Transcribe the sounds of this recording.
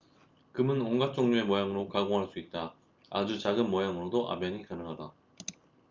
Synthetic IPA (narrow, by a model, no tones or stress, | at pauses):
kɯmɯnoŋɡat͡ɕ͈oŋɲoe̞mojaŋɯɾokaɡoŋɦaɭs͈uit̚t͈a | a̰d͡ʑut͡ɕaɡɯnmʌjaŋɯɾodoʔa̰mjʌɲikanɯŋɦada